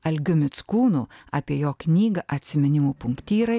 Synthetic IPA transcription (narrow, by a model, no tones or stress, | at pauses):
ɐlʲɡʲʊmʲɪt̪skuːnuːaːpʲiɛjoːknʲiːɡɐʔɐt̪ʲsʲɪmʲɪnʲɪmuːpʊŋkt̪ʲiːɾɐɪ